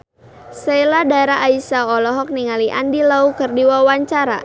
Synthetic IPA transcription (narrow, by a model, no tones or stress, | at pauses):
seladaɾaʔːisaɔlɔɦɔk̚niŋaliʔa̰ndilaukərdiwawaɲt͡ʃaɾa